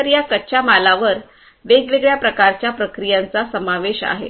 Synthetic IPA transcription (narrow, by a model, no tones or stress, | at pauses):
əɾjakəːɕamalaʋəɾ | ʋeɡʋeɡɭjapɾəkaɾt͡ɕjapɾəkɾijãnt͡sasəmaʋeɕa̰ɦḛ